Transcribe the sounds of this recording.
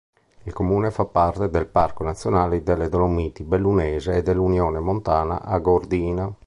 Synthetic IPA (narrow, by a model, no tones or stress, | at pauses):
ilkomuːnefapːart̪ed̪elparkonat̪sːjonaːlid̪elːed̪onomiːt̪ibelːunɛːzeːd̪elːunjɔːnemont̪aːna̰ʔaɡoɾd̪iːna